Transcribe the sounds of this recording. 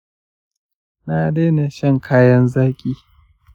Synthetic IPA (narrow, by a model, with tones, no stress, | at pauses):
na˨deː˦na˨ʃɐ˦ŋkʰaː˦jɐ˦nzaː˦kʲʼiː˦